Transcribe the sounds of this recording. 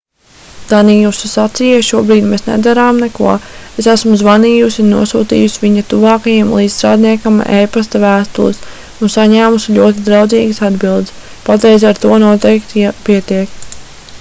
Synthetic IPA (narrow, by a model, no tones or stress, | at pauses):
d̪̥aniːjuːsusat̪sijaʃuɔbɾiːd̪meːsnɛ̰d̪aɾaːmnɛkṵɔesæsmuzvaniːjusʲinuɔsṵːt̪ḭːjusivʲiɲat̪uvɑːkajiɛmlˠiːd̪t̪ɾa̰ːd̪niɛkama̰ʔejpast̪avæːst̪ṵlˠḭs | unsaɲæːmusilʲuɔt̪id̪ɾawd̪ziːɡɨsad̪bilˠd̪s | pat̪ɾɛjzʲaɾt̪uɔnuɔt̪ɛjkt̪piɛt̪iɛk